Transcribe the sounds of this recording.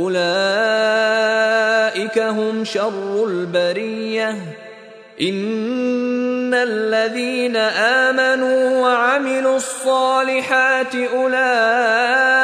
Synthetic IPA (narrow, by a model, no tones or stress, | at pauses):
ʔʊlaː | ʔɪkaɦʊmʃɑrˤːʊlbaɾijːa | ʔɪn | alːaðiːnaʔaːmanuːwaʕamɪluːɑsˤːɑːlɪħaːt̪ɪʔʊlaː